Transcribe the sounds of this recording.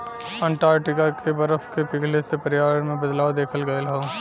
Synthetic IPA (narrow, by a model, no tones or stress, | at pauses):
ɛ̃ːɳʈaːɾʈɪkakʰebɐɾəfʰkepɪɡʱlesepɐɾɪjaːmẽbɐd̪laːwd̪eːkʰəlɡɐelɦõ